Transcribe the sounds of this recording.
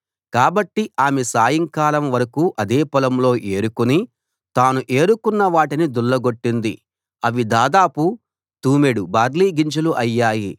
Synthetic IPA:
kaːbɐʈːiaːmesaːjɐŋkaːlɐmʋɐɾɐkuːʔɐd̪eːpɐlɐmlo̞ːʔe̞ːɾukuni | t̪aːnuʔe̞ːɾukunːɐʋaːʈinid̪uɭːɐɡoʈːind̪i | ɐʋid̪aːd̪aːpu | t̪uːmeɽubaːɾliːɡiɲt͡ʃɐluʔɐjːaːji

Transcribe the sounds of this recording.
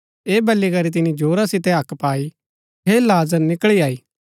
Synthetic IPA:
eːbɐlːikɐɾit̪̬ɪnĩd͡ʒoːɾasɪt̪eɦɐkpaːi | ɦelaːzəɾnɪkɭiaːiː

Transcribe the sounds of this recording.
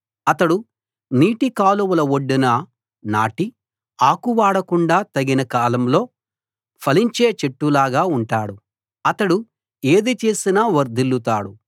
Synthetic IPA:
ɐt̪ɐɽu | niːʈikaːluwulɐwoɖːinɐ | na̰ːʈi | aːkuʋaːɽɐkuɳɖaːt̪ɐɡinɐkaːlɐmlo̞ː | pʰɐliɲt͡ʃeːt͡ʃeʈːulaːɡaːuɳʈaːɽu | ɐt̪ɐɽu | eːd̪it͡ʃe̞ːsinɐʋɐɾd̪ilːut̪a̰ːɽu

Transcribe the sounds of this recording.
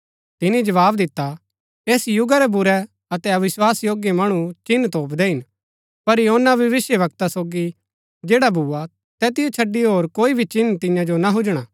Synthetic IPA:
t̪ɪnid͡ʒɐʋaːbd̪ɪt̪ːa | eːsjʊɡaɾɛbʊɾɛ | ɐt̪ɛɐʋɪswaːsjoːɡjemɐɽ̃ũt͡ʃɪnːt̪oːpd̪ɛɦɪn | pɐɾjɦoːnaʋjɐʋɪsjəʋɐkt̪asoːɡi | d͡ʒeːɽabʱuːa | t̪ɛːt̪ɪjot͡ʃʰɐɖːiɦoːɾkoːibʱit͡ʃɪnːt̪ɪ̃jãd͡ʒonaɦʊd͡ʒɽ̃aː

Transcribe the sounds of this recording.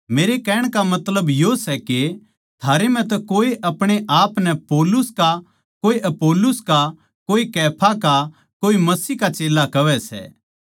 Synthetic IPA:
meːɾekɛːɽ̃kamɐt̪ləbjosɛke | t̪ʰaːɾem̤ɛ̃t̪̬ɛkoːeʔɐpɽ̃eʔaːpnɛpoːlʊska | koːeʔɐpoːlʊska | koːikɛːpʰaka | koːimɐsiːkat͡ʃeːlakɐʋɛsɛ̰ː

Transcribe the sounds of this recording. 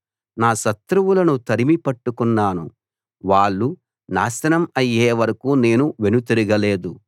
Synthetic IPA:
naːʃɐt̪ɾuwulɐnut̪ɐɾimipɐʈːukunːaːnu | ʋaːɭːu | na̰ːsɐnɐmɐjːeːʋɐɾɐkuːne̞ːnuʋe̞nut̪iɾiɡɐleːd̪u

